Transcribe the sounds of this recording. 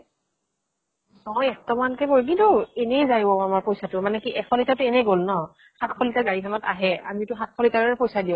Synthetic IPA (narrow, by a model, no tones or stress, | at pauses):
nɔjɛktɔmankɛboɹk̬intuɛnɛjzajɔamaɹpojsatʊmanɛkiʔɛxʰɔlitatʊɛnɛɡolnɔ | xakʰxɔlitaɡaɹikʰɔnɔta̰ɦɛa̰mitʊxat̚kʰɔlitaɹaɛpojsadiʊ̃